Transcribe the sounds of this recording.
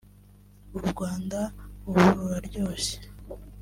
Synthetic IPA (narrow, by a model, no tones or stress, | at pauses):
uɾɡwaːndauβuɾuɾaɾɟo̞ːse̥